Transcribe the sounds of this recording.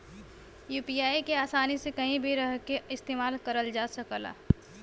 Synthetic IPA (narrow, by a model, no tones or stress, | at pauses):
juːpijaːikeaːsaːnisekɐɦĩbʱiɾəɦkeɪst̪eːmaːlkəɾəld͡ʒaːsəkəla̰ː